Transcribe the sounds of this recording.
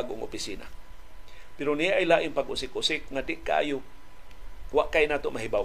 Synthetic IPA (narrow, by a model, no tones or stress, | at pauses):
ɡo̰ŋo̰pisiːna̰ | pɪɾonijaʔːjlaʔɪŋpaɡʊsɪkʊsɪkŋadɪʔkaʔa̰ːjʊ | waʔkajnaːt̪oʔmaɦiba